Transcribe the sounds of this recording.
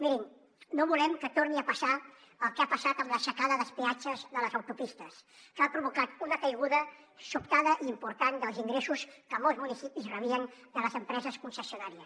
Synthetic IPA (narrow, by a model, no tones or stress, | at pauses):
miɾin | noβulɛmkət̪oɾniəpəsa | əlˠkeapəsat̪əmləsəkaðəðəspeat͡ʃəzðələzəwt̪upist̪əskəapɾuβukat̪unəkəjɣuðə | supt̪aðəʔiːmpuɾt̪and̪əlˠziŋɡɾesuskəmolˠzmunisipizrəβiənd̪ələzəmpɾɛzəskunsəsiunaɾiəs